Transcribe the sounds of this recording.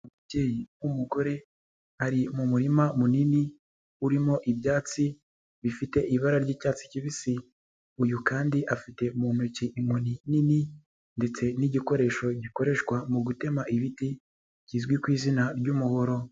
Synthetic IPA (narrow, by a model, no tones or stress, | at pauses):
umuɟeːjinumuɡo̞ɾe̞ | haɾimumuɾimamunini | uɾimo̞ʔibjaːt͡si | βifite̞ʔiβaɾaɾɟiːcaːt͡si̥ciβisi | ujukaːndiʔafite̞umuːn̥huciʔiŋwuninini | nde̞t͡se̞niɟiko̞ɾe̞ʃo̞ɟiko̞ɾe̞ʃkwamuɡute̞maʔiβiti | ciːzɡwikwiːzinaɾɟumuho̞ɾo̞